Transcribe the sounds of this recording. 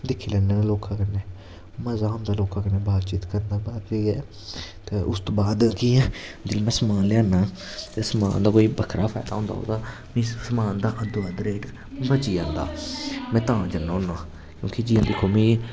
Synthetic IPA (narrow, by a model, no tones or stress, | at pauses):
d̪ɪkʰːiːlɛːnːeːnːloːkãːkəneː | məzaːɦʊ̃nd̪aːloːkãːkəneːbaːt̪t͡ʃiːt̪kəɾənd̪aːbaːt̪eːɡɛː | t̪eːʔʊst̪oːbaːd̪kĩːd͡ʒəlmɛ̃ːsəmãːnlɪãːnãː | t̪esəma̰ːnd̪aːkoːiːbəkʰɾa̰ːpʰaːɪd̪a̰ːõnd̪a̰ːo̰ːd̪aː | mĩːsəmãːnd̪aːʔəd̪ʊaːd̪ɾeːʈ | bət͡ʃiːãːnd̪a̰ːmɛ̃ːt̪ãːd͡ʒənːõːnãː | kjõːkɪd͡ʒiːãːd̪ɪkʰːoːmĩː